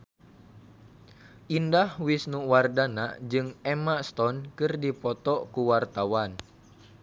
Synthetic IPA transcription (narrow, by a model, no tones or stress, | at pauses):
ʔindahwisnuwardana̰d͡ʒɨŋɛmast̪ɔnkɨrdipɔt̪ɔkuwart̪awan